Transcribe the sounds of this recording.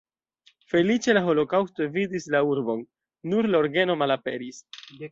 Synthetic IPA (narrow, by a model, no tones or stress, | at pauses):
fe̞lit͡ʃe̞laɦo̞lo̞kawstovidislauɾbo̞nː | uɾlaoɾɡeno̞malape̞̰ɾis